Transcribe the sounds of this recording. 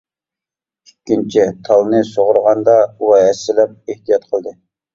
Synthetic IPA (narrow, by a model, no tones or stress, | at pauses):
ykʲːint͡ʃʰit̪ʰɑlˠnɨsoʁʊɾʁɑnd̪ɑuwɛɦɛsːɪlɛp̚eht̪ijɑt̪qʰəlˠd̪ɨ